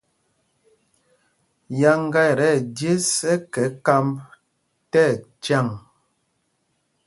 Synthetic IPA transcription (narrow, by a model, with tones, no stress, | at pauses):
ja˦ŋ˦ɡa˦˨ɾɛ˦˨dje˦sɛ˦kɛ˨˦ka˦m | tɛ˦˨t͡ʃa˦˨ŋ